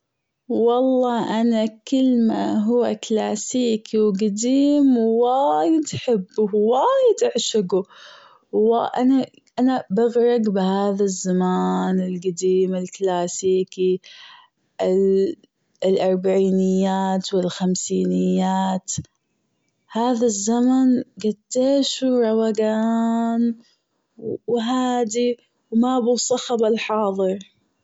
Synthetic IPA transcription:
wɑlˤːɑːʔanakɪlːma̰ɦʊwːaklaːsiːkiwɡad̪iːmwaːjɪd̪ħɪbːʊwaːjɪd̪ʔaʕʃɪɡu | aʔana | ʔanabaɣɾˤɑɡbɪhaːðazːamaːnɪlɡad̪iːmɪlklaːsiːki | ɪ | lʔɑɾˤbaʕiːnɪjːaːt̪wɪlxamsiːnɪjːaːt̪ | haːðazːamanɡat̪ːeːʃuɾˤɑwaɡaːm | wwɦaːd̪i | wmabuːsˤɑxɑbalħɑːðˤɨɾˤ

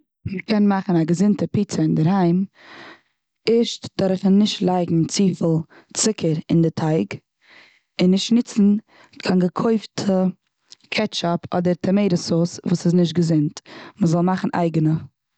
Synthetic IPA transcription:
məkʰɛnmaχn̩aɡəzɪntəpiːt͡səɪndəɾhaɪm | ɪʃtd̥ɔɾχənɪʃtlˠaɪɡŋ̩t͡siːfl̩ˠ | t͡sɪkʰəɾɪndɪtʰaɪɡ | ɪnːɪʃtnɪt͡sn̩ | kʰanɡəkʰoɪftʰə | kʰɛt͡ʃɔpʰɔ̰dəɾtʰəmeɪɾəsosvuːsɪznɪʃ̬t̚ɡəzɪntməzɔlˠmaχn̩ʔa̰ɪɡənə

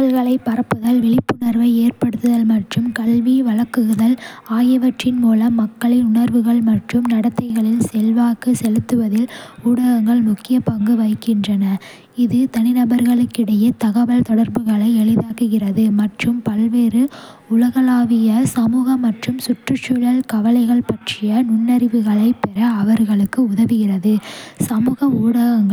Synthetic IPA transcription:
ɐɭɣɐɭɐɪpːɐɾɐpːɯðɐlʋɪɭɪpːɯnɐɾʋɐɪeːɾpɐɽɯt̪ːɯðɐlmɐʈrɯmkɐɭʋiʋɐɭɐkːɯɣɯðɐlaːjɐʋɐʈrɪnmuːlɐmːɐkːɐɭɪnʊɳɐɾʋɯɣɐɭmɐʈrɯmnɐɽɐt̪ːɐɪɣɐɭɪlsɛlʋaːkɯsɛlɯt̪ːɯʋɐðɪluːɽɐɣɐŋɡɐɭmʊkːɪjɐpɐŋɡɯʋɐɪkːɪndrɐnɐ | ɪðɯt̪ɐnɪnɐbɐɾɣɐɭɯkːɪɽɐjɐt̪ɐɣɐʋɐlt̪ɔɽɐɾbɯɣɐɭɐɪɛɭɪðaːkɯɣɪrɐðɯmɐʈrɯmpɐlʋeːɾɯ | ʊlɐɣɐlaːʋɪjɐsɐmuːɣɐmːɐʈrɯmsʊʈrɯt͡ʃːʊɻɐɭkɐʋɐlɐɪɣɐɭpɐʈrɪjɐnʊɳːɐɾɪʋɯɣɐɭɐɪpːɛɾɐːʋɐɾɣɐɭɯkːɯʊðɐʋɯɣɪrɐðɯsɐmuːɣɐuːɽɐɣɐŋɡɐ

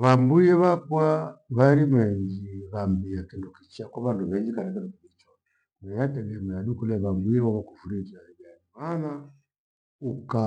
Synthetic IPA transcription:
βambujɛβakwaβaɾimɛɲd͡ʒiβambiakindukit͡ʃakwaβanduβɛɲd͡ʒikaɾɛkɛnukimit͡ʃɔnɛ | nɛjatɛɡɛmɛaɗukulɛβambujɛβaβakufuɾid͡ʒajaimana | uka

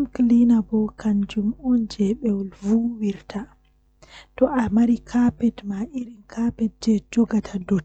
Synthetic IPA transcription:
mklinabɔkand͡ʒumund͡ʒɛɓɛwɔlvuwiɾtʰa | tɔʔamaɾikʰapɛdmaʔiɾinkʰapɛd̚d͡ʒɛd͡ʒɔɡatʰadɔt

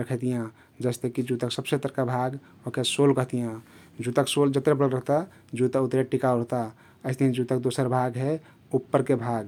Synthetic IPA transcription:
ɾəkʰɛt̪ijã | d͡ʒəst̪ekid͡ʒut̪əksəbset̪əɾkabʱaɡ | okesolkəɦt̪ijã | d͡ʒut̪əksold͡ʒət̪ɾebəlɾəɦt̪a | d͡ʒut̪əkut̪ɾeʈikaoɾəɦt̪a | əɪst̪iɦd͡ʒut̪ək̚d̪osəɾbʱaɡɦɛ | upːəɾkebʱaɡ

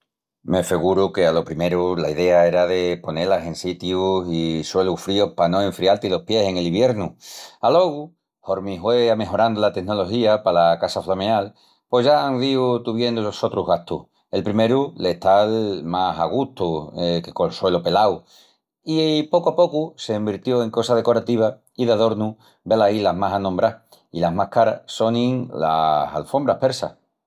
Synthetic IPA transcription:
me̞feɣuɾuke̞alo̞pɾime̞ɾulaiðe̞ae̞ɾaðe̞po̞ne̞lase̞nsit̪jusiswe̞lufɾiohpanoe̞ɱfɾialt̪ilo̞hpje̞se̞ŋe̞liβje̞ɾnualo̞ɣu | ho̞ɾmĩɦweame̞ɦo̞ɾand̪olat̪e̞ɦno̞lo̞ɦiapalakasaflameal | pwo̞zʝaaŋðiut̪uβje̞nd̪oʎoso̞t̪ɾuɦɣaht̪uh | e̞lpɾime̞ɾuleht̪almasa̰ɣ̞ut̪uekekolswe̞lope̞law | ipo̞kwapo̞kuse̞ːmbiɾt̪jo̞e̞ŋko̞sað̞e̞ko̞ɾat̪iβ̞a | iðaðo̞ɾnũ | belailamasanõmbɾah | ḭlaɦmahkaɾa̰so̞nĩŋla̰sa̰lfo̞mbɾahpe̞ɾsa̰h

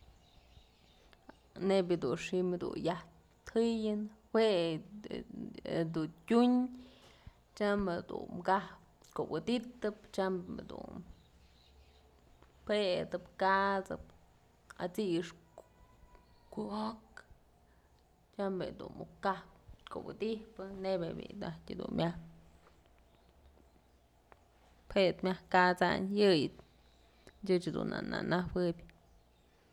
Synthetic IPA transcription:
nebʲid̪unʂimed̪ṵnjaht̪ | t̪hɨjɨnhweʔ | d̪untʲuɲ | t͡ʃamed̪ṵnmɡahp̚ | kowɨd̪it̪ːɨp̚t͡ʃamḛd̪ṵn | ped̪ɨpkat͡sɨ̰p̚ | at͡siʂ | kuok | t͡ʃambed̪unmukahp̚kobɨd̪ihpɨnebebḭd̪atʲɨd̪unmʲʔah | pʰet̪mʲahkat͡sa̰njɨjt̪ | dʲɨt͡ʃed̪una̰na̰nawɨbʲ

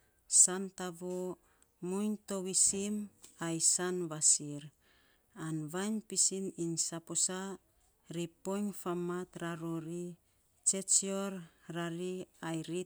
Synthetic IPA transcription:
santaβo | mujnto̞wisimajsanβasiɾ | anβajnpisininsaposa | ɾipo̞ɲfamat̪ɾaɾoɾi | t͡ʃe̞t͡ʃioɾɾaɾiajɾi

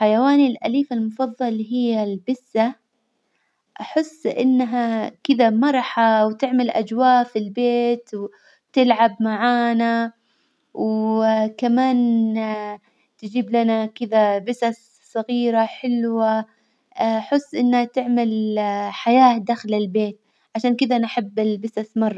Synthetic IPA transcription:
ħajawaːnilʔa̰liːfalmʊfɑðˤːɑlɦɪjːalbɪsːa | ʔaħɪsːʔɪ̰nːɦakɪðamɑɾˤħɑwt̪ɪʕmalʔa̰d͡ʒwaːʔfilbeːt̪w | t̪ɪlʕabmaʕaːna | wkamaːn | t̪ɪd͡ʒiːblanakɪd̪abɪsas | sˤɑɣiːɾaħɪlwa | ʔaħʊsˤːʔɪnːhat̪ɪʕmalħajaːd̪aːxlɪlbeːt̪̚ | ʕaʃaːnkɪd̪anħabːɪlbɪsasmɑrˤːɑ

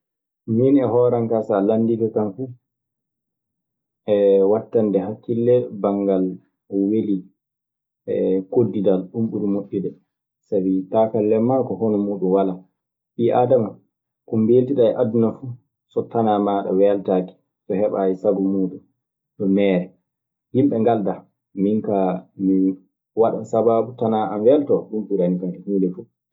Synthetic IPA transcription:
minɛɦɔːɾaŋkasalandikakanfu | ɛwatːandɛɦakːilːɛbaŋɡal | weli | ɛkodːidalɗumɓuɗumoɗːidɛ | sabitaːkalːɛmːakɔhonɔmuːɗunwala | ʔiʔa̰ːdama | kumbeltiɗaɛʔadːunafu | sɔtanamaɗa̰wɛltaːki̥ | sɔhɛɓa̰jisaɡɔmuːɗum | ɗɔmɛːɾɛ | himɓɛŋɡalda | miŋkami | waɗa̰nsababutanaanwɛltɔɗumɓiɾanikaɛhuːlɛfu

